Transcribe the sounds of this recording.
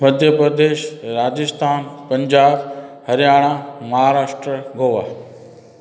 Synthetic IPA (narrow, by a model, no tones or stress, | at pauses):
mɐd̪ʱjəpɾəd̪eːʃɾaːd͡ʑɪst̪ʰaːnpɐ̃ɲd͡ʑaːbhɐɾjaːɽ̃ãmɐɦaːɾaːʃʈɾəɡʱoːʋaː